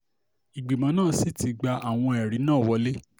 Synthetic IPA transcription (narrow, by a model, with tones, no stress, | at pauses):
i˨ɡ͡bi˨mã˨˦nãː˦˨si˦˨ti˨˧ɡ͡ba˧ʔa˨w̃ɔ̃˧ɛ˨ɾi˨˦nãː˦˨wɔ˧˦le˦